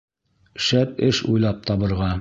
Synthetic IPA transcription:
ʃæt̪ɘʃṵjlˠɑp̚t̪ʰɑβɤ̆ɾʁɑ

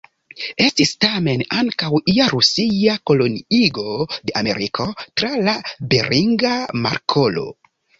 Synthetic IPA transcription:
e̞stistame̞naŋkawiaɾusijako̞lo̞niiɡo̞de̞ʔame̞̰ɾikʰo̞tɾalabeɾiŋɡama̰ɾkʰo̞lo̞̰

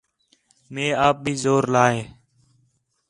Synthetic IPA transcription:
mẽːaːp̚bʱiːzoːɾlaːɦẽː

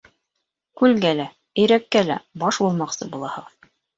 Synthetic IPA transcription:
kʉlɡælæ | ɘ̆jɾækːælæbɑʃbulˠmɑqsɤbulˠɑhɤ̆ʁɤð

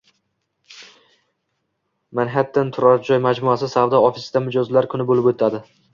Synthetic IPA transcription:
manɦat̪ːant̪ʰʊɾɒɾd͡ʒɒjmad͡ʒmʊasɪsavd̪ɒɒfisd̪amʊd͡ʒɒzlaɾkʰʊnɪbolɪpot̪ʰad̪ɪ

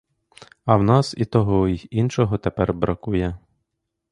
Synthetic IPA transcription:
ɐwnɑsit̪ɔɦɔiinʃɔɦɔt̪epɛrbɾɐkujɛ

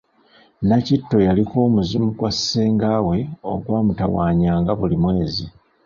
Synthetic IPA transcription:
nacitːo̞jaliko̞ːmuzimuɡwaseːŋɡaːwe̞o̞̰ɡwaːmuta̰wa̰ːɲaːŋɡaβulimwe̞ːzi

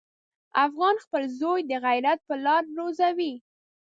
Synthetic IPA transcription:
afɣɑnxpəlzojd̪əɣajɾat̪̚pəlɑɾɾozawi

